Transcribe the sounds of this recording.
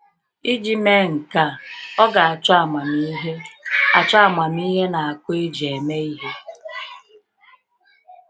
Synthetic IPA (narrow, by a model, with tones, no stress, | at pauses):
i˦d͡ʒi˦me˦ŋ̩˨ka˦ɔ˦ɡa˨a˨t͡ʃa˨ma˨mi˦ɦe˦a˨t͡ʃa˦˨ma˨m˦i˦ɦe˦na˨a˨kʷo˦e˦d͡ʒe˨me˦i˦ɦe˦